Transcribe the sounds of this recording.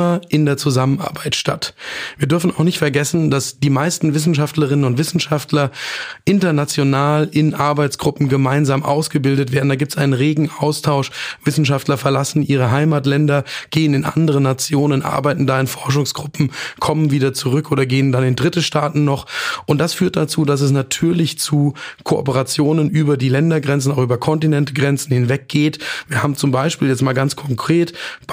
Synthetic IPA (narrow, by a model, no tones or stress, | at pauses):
ɐʔɪndeːɐt͡suzaməna̰ɐbaɪtʃta̰tviːɐdʏɐfn̩aʊxnɪçtfɛɐɡɛsn̩dasd̥iːmaɪstn̩vɪs̬n̩ʃ̬aftləʁ̞ɪnənʊntv̥ɪsn̩ʃaftlɐʔɪntɐnat͡sjonaːlʔɪnʔaɐbaɪt͡sɡ̥ʁʊpm̩ɡəmaɪnzaːmʔa̰ʊsɡ̥əbɪldətveːɐdn̩daːɡiːptsʔaɪnənʁeːɡŋ̩aʊstʰaʊʃv̥ɪsn̩ʃaftlɐfɛɐlasn̩ʔiːʁ̞əɦaɪmaːtlɛndɐɡ̥eːənɪnʔa̰ndəʁ̞ənat͡sjoːnənʔa̰ɐbaɪtn̩daːɪnfɔɐʃ̬ʊŋsɡ̥ʁʊpm̩kʰɔmənviːdɐt͡suʁʏkʔoːdɐɡeːəndanɪndʁɪtəʃtaːtn̩ːɔχʔʊnt̚d̥asfyːɐt̚d̥at͡suːdas̬ɛs̬natʰyːɐlɪçt͡suːkʰoʔɔ̰pəʁat͡sjoːnənʔyːbɐdiːlɛndɐɡʁɛnt͡sn̩aʊxʔyːbɐkʰɔntinɛntɡʁɛnt͡sn̩hɪnvɛk̚ɡ̥eːtviːɐhaːbm̩t͡sʊmbaɪʃpiːljɛt͡stmaːlɡant͡skʰɔŋkʁ̥eːt